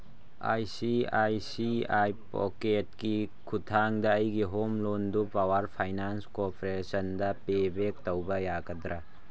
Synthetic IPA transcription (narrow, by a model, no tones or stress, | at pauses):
a̰jsiajsiajpo̰ket̚ki | kʰutʰaŋdɐːjɡiɦomlondupawɐɾpʰajnanskopɾesɐndɐpebek̚tɐwbɐjaɡɐdɾɐ